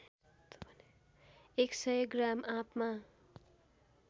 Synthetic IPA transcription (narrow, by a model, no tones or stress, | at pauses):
t̪pʌn | eksʌjɡramʔãpma